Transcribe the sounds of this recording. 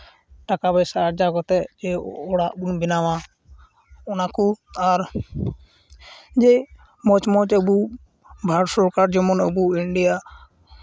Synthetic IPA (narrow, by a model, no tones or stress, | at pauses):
ʈakabɛsaɾd͡ʒakɔt̪ɛd͡ʒɛɔɽaʔbunbinawa | ɔnakuaɾ | d͡ʒɛ | mɔt͡ʃmɔt͡ʃəbu | bʱaɽsɔɾkaɾd͡ʒɔmɔnəbuiɳɖija